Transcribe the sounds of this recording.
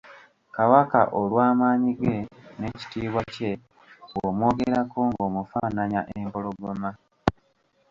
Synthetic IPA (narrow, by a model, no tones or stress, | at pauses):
kawaka̰ʔolwaːmaːɲiɡe̞ne̞ci̥tiːβwace̞ | omwo̞ːɡeɾakoŋɡo̞ːmufaːnaɲaʔempo̞lo̞ɡoma